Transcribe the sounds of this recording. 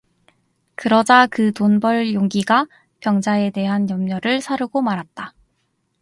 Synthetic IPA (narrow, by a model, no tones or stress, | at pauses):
kɯɾʌd͡ʑakɯtonbʌɭjoŋɡiɡa | pjʌŋd͡ʑae̞te̞ɦanjʌmɲʌɾɯɭsʰaɾuɡomaɾɦat̚t͈a